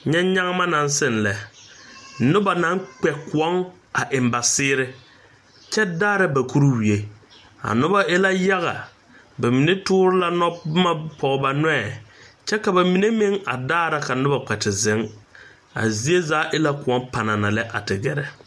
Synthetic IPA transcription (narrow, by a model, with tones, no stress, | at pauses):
ɲɛ˦ɲa˦ŋ˦ma˦na˨nsɪ˦˨nlɛ˨ | nʊ˦ba˨na˨˦ŋk͡pɛ˨kʊ˨ɔ˦ŋ | a˨ʔɪ˨mba˨sɪː˦ɾɪ˦ | t͡ʃɛ˦daː˦ɾa˦ba˨ku˦ɾu˦wi˨e˨ | a̰˨nʊ˦ba˦ʔɪ˦la˦ja˦ɣa̰˨ | ba˨mi˨ne˦tʊː˦ɾɪ˦la˦nɔ˦bma˦pɔ˨ɣɔ˨ba˨n˦ɛː˦˨t͡ʃɛ˦ka˨ba˨mi˨ne˦mɪ˦ŋa̰˨daː˦ɾa˦ka˨nʊ˦ba˨k͡pɛ˨tɪ˨zɪ˨˦ŋ | a̰˨zi˦e˦zaː˨˦ʔɪ˦la˦kʊ˨ɔ˨˦mpa˨na˨na˨lɛ˦ʔa̰˨tɪ˨ɡɛ˨ɾɛ˨